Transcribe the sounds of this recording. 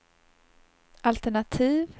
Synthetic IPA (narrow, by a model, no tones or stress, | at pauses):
ʔalt̪ɛɳat̪ʰiːv